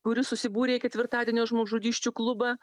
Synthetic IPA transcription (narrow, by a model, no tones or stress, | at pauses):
kʊɾʲɪsʊsʲɪbuːɾʲeːkʲɛt̪ʲʋʲɪɾt̪ɑːd̪ʲiɛnʲoːʒmoːʒʊd̪ʲiːʃʲt͡ʃʲuːklˠʊbɑː